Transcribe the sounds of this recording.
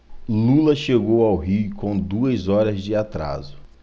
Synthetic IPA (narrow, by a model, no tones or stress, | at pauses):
lulɐʃeɡowawɦikõw̃d̪uɐzɔɾɐzd͡ʒɪat̪ɾa̰zʊ